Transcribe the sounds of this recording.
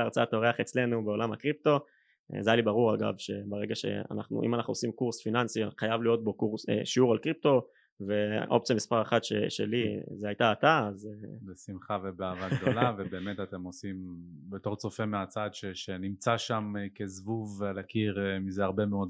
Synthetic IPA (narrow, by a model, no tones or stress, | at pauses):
aʁt͡sat̪oʁeaχe̞t͡sle̞nube̞o̞lamakʁip̚to̞̰ | zajalibaʁuʁaɡa̰vʃe̞̰baʁeɡaʃe̞̰a̰naχnṵʔḭmanaχnuosimkuʁsfinansiχajavlijo̞t̪̚bo̞kuʁsḛʃiuʁalkʁip̚t̪o̞ | ve̞ʔo̞p̚t͡sjamispaʁeχad̪ʃḛʃe̞̰lizeajt̪aːt̪aːzebesimχavebeavad̪o̞lavebe̞ːmet̪at̪e̞mosimbe̞t̪o̞ʁt͡so̞fe̞meat͡sad̪ʃeʃenimt͡saʃamkezvuvelakiʁmizeaʁbe̞meo̞d̪